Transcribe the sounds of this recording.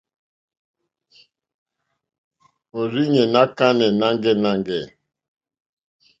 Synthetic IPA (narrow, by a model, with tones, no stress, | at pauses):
o˨ɾi˦ɲɛ˨na˦ka˦nɛ˨na˦ŋɡɛ˦na˦ŋɡɛ˨